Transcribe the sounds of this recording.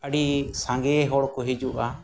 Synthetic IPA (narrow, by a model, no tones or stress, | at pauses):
əɽisãŋɡɛɦɔɽkɔɦid͡ʒuʔa